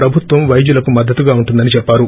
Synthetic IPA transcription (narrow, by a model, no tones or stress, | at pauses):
ɾɐbʱut̪ʋɐmʋɐjd͡ʒulɐkumɐd̪ːɐt̪uɡaːuɳʈund̪ɐnit͡ʃɛpːaːɾu